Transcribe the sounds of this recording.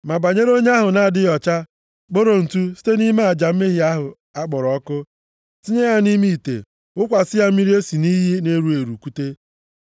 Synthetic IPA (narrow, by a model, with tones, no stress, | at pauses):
ma˨ba˨ɲe˦ɾo˦ɲe˦a˦ɦʊ˨na˨a˨dɪ˦jɔ˨t͡ʃa˦ | k͡po˦ɾo˨n̩˨tu˦si̥˦te˦ni˦ma˦a˨d͡ʒa˨m̩˦me˦ɦi˨˦a˦ɦʊ˨ | a˦k͡pɔ˨ɾɔ˦kʊ˦ | si˦ɲe˦ja˦ni˦mi˦i˨tḛ˨ | ʊ˦kʷa˨sɪ˦ja˦m̩˦mi˦ɾi˦e˦si˨ni˦ɦi˦ne˦ɾu˦e˨ɾu˨ku˦te˦